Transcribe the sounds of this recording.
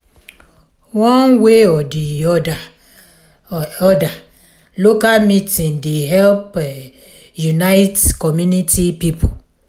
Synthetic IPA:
wɔ̃nweɔdiɔda | ɔda | lokalmitĩndeɦɛlp | junaɪtkɔmjunitʰipipʰo

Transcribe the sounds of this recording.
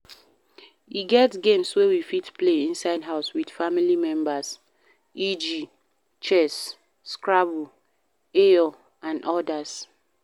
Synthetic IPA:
iɡɛtɡẽmswewifitpleĩnsaɪdɦaʊswidfamilimɛ̃mbas | id͡ʒi | t͡ʃɛs | skɹabu | eɔ | ãnʔɔdas

